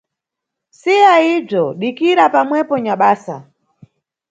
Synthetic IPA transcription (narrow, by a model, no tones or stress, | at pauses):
sijaib͡ʐɔɗikiɾapamwɛpɔɲaɓaːsa̰